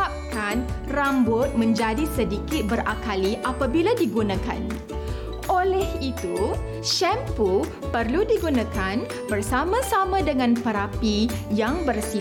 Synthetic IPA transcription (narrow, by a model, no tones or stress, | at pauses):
ap̚kanrambʊt̪̚mə̃ɲd͡ʒadisədikɪt̪̚bəɾakaliʔapabiladiɡunãka̰n | ʔolɛhit̪u | ʃɛmpu | pərludiɡunãkan | bərsamãsamãdəŋãnpəɾapijaŋbərsi